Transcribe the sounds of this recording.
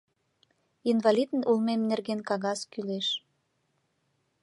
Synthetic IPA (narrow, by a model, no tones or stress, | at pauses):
invɑlʲid̪ənulmemnerɣenkɑɣɑskyleʃ